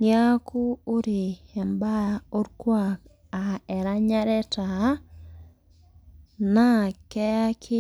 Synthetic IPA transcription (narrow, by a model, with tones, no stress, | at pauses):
nja˦ku˦o˦ɾi˨ɛ˨mba˦o˦ɾkwa˦˨k | a˨ɛ˨ɾa˦ɲa˦ɾɛ˦ta˨ | na˦kɛ˦a˦kʰi˦